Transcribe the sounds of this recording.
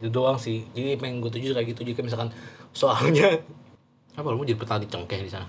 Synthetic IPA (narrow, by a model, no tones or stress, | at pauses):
dudoaŋsɪhd͡ʒadipaɛŋɡuat̪̬ud͡ʒukaaɡit̪ud͡ʒukamisalkansoalɲa | apalmud͡ʒadipət̪adit͡ʃəŋkɛhdisana